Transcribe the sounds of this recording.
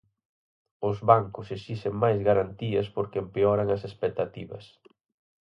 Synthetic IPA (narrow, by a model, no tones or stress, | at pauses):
ʊzβaŋkʊseʃiʃeŋmajzɣaɾant̪iɐspoɾkempeɔɾɐŋɐsespek̚t̪at̪iβɐ̰s